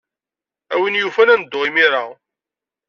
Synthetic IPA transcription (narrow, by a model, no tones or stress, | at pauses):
æwinjufænænəd̪ːoʁimiɾˤa